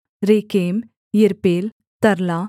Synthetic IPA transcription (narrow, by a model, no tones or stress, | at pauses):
ɾeːkeːm | ɪɾpeːl | t̪ɐɾlaː